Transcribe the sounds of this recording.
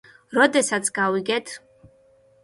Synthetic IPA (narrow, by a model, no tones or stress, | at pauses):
rɔd̪ɛsat͡sʰɡawiɡɛtʰ